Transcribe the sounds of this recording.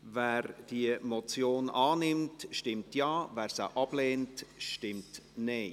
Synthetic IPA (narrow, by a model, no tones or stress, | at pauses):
væːɾd̥iəmɔt͡sjoːnɑːnɪmtʃtɪmtjɑːvæːɾsə̰ʔɑb̥lɛːntʃtɪmtneː